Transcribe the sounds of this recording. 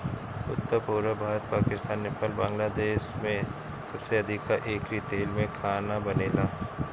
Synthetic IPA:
ʊ̰t̪ːəɾpuːɾəbʱaːɾət̪̚paːkɪst̪aːnːɪpəlbãːŋɡlaːd̪eːʃmẽ | sɐbseɐd̪ʱɪkːaʔeːkɾit̪eːlmẽkʰaːnabɐneːlaː

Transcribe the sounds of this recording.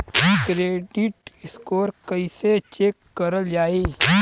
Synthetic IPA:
kɾeːɖɪʈɪskoːɾkɐiset͡ʃeːkːɐɾəld͡ʒaːeː

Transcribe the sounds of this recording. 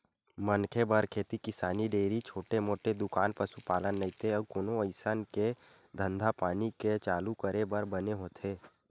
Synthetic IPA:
mənkʰebəɾkʰeːt̪ikɪsaːniɖeːɾit͡ʃʰoːʈemoːʈed̪ʊkaːnpəsupaːlənːəĩt̪eəb̚koːnoəɪsənke | d̪ʱə̃nd̪ʱapaːniket͡ʃaːlukəɾebəɾbəneɦoːt̪ʰeː

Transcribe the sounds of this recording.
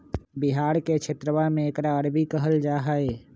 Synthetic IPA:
bɪɦaːɾket͡ʃʰɪt̪ɾəʋamẽekɾaəɾbʱikəɦəld͡ʒaːɦaːeː

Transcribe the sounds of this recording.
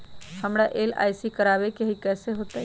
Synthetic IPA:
həmɾaʔela̰ːjsikəɾabekeɦikɛːseɦoːt̪a

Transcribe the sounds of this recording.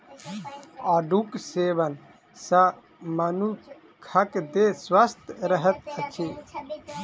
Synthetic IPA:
aːɖukseːʋən | sɐ | mɐnu | kʰɐkd̪eswəst̪ʰɾəɦət̪ɐt͡ʃʰeː

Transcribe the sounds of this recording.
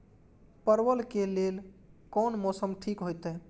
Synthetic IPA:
pəɾʋəlkelelkɔnmɔsəmʈʰikɦojt̪ɛ

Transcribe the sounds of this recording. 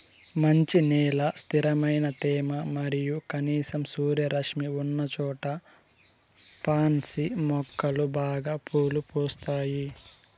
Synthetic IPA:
mɐɲt͡ʃinɛːlɐst̪ʰiɾɐmɐjnɐt̪ɛːmɐmɐɾijukɐniːsɐmsuːɾjɐɾɐkʂmiunːɐt͡ʃɔːʈɐ | paːnsimɔkːɐlubaːɡaːpʰoːlupɔːst̪aːji

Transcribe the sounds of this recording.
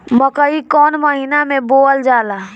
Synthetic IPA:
məkəikɔːnməɦinamẽboːəld͡ʒaːla

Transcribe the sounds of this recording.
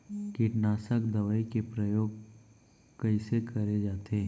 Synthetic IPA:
kiʈnaːsəkd̪ɐʋəikepɾəjoːɡ̚ | kɐɪsekɐɾed͡ʒaːt̪eː

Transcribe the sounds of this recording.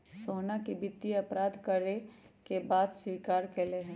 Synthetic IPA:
soːnakibɪt̪ːiɐpɾaːd̪kəɾe | kebaːd̪swiːkaːɾkeːleɦɛ̃

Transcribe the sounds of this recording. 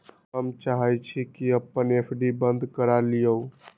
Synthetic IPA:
ɦəmt͡ʃaɦɛt͡ʃʰikiəpːənepʰɖibənd̪ʱkəɾalijəw

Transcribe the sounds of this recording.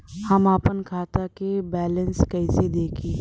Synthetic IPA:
hɐmaːpənkʰaːt̪akebɛːlə̃nskɐɪsed̪eːkʰiː

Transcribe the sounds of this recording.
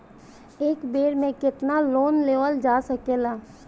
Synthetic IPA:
eːkbeːɽmẽkɪt̪naloːnleːʋəld͡ʒaːsɐkeːlaː

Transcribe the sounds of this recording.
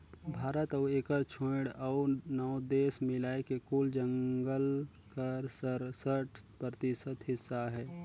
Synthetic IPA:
bʱaːɾət̪əeːkəɾt͡ʃʰõɽaʊnɔʊd̪eːsmɪlaːekekuːld͡ʒə̃ŋɡəl | kəɾsəɾsəʈʰpɾət̪ɪsət̪ɦɪsːaɦɛː

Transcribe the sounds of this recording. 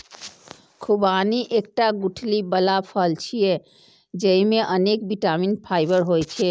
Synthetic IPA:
kʰubaniʔek̚ʈaɡuʈʰlibəlapʰəlt͡ʃʰije | d͡ʒəimeʔənek̚biʈaminpʰajbəɾɦojt͡ʃʰɛ

